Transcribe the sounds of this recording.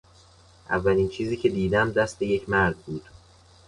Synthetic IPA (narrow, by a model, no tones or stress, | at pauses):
ʔæ̰vːæliːnt͡ʃʰiːziːcʰe̞d̪iːd̪æmd̪æst̪e̞je̞cʰmæɾd̪̚buːd̪̥